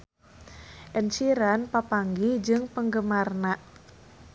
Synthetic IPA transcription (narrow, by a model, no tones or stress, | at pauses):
ʔɛnsiɾanpapaŋɡid͡ʒɨŋpəŋɡəmarnaʔ